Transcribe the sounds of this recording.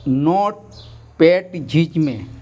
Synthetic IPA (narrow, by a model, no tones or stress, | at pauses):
nɔːʈ | peːʈd͡ʒʱid͡ʒmḛ̃